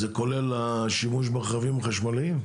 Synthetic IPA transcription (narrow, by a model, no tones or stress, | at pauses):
zeko̞lelaʃimuʃ̬baχavimχaʃmaliim